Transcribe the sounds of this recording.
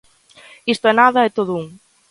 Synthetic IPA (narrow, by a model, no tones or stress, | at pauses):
ist̪oɛnaðɐɛt̪oðʊuŋ